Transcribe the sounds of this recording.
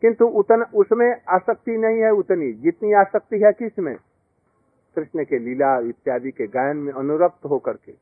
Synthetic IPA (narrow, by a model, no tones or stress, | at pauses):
kɪ̃nt̪uʊt̪nʊsmẽaːsək̚t̪inɐɦĩɦɛʊt̪nid͡ʒɪt̪niaːsək̚t̪iɦɛkɪsmḛ̃ | k̪ɾɪʃnəkelilaʋɪt̪jaːd̪ikeɡaːjənmẽɐnʊɾəp̚t̪ɦokɐɾkeː